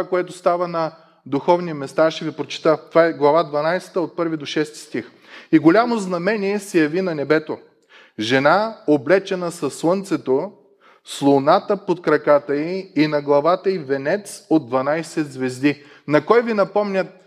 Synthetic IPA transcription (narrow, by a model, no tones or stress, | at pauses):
akoɛt̪ost̪avənɐ | d̪uxɔvnimɛst̪aaʃɛvipɾot͡ʃi̥t̪ət̪ovaɛɡlˠɐvad̪vɐnajsɛ̥t̪əot̪̚pɤɾvid̪oʃɛst̪i̥st̪ix | iɡolʲamoznɐmɛniɛsɛjɐvinɐnɛbɛt̪o | ʒɛnaoblɛt͡ʃɛnəsɐsːlˠɤnt̪sɛt̪o | slˠonat̪əpot̪̚kɾɐkat̪əiːnɐɡlˠɐvat̪əivɛnɛt̪sod̪d̪vɐnajsɛd̪zvɛzd̪i | nɐkɔjvinɐpɔmnʲət̪̚